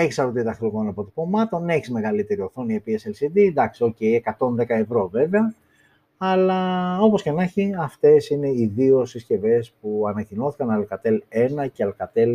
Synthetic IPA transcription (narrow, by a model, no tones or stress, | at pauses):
eçisɐɾot̪it̪ɐxloɣo̞nɐpot̪i̥po̞mɐt̪o̞neçizme̞ɣɐlit̪e̞ɾioθo̞niepieselsid̪id̪ɐksio̞ceiekɐt̪o̞nðe̞kɐe̞vɾo̞ve̞veɐ | ɐlɐo̞po̞sce̞nɐçiɐft̪e̞sine̞iðio̞sisce̞ve̞spuɐnɐcino̞θi̥kɐnɐlkɐt̪e̞le̞nɐceɐlkɐt̪e̞l